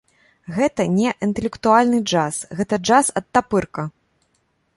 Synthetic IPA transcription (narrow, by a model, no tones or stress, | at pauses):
ɣɛt̪ɐnʲɛʔint̪ɛlʲɛkt̪ualʲnɨd͡ʐasɣɛt̪ɐd͡ʐasɐt̪ːapɨrkɐ